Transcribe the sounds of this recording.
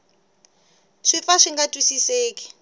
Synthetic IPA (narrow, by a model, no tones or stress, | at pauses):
ʂifaʂiŋɡatʼwisiseːkʼi̥